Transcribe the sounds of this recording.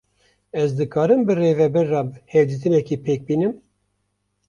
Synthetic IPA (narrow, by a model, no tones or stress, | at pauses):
ɛzd̪ɨkʰɑːɾɨmbɨreːvɛbɛɾːɑːbɨheːld͡ʒɨt̪ɨnɛkiːpʰeːk̚biːnɨm